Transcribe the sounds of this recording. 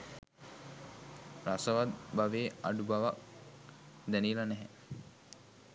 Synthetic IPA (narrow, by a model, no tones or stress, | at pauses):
rasəʋat̪̚baʋeːa̰ɖubaʋak̚ | d̪ænilanɛɦɛ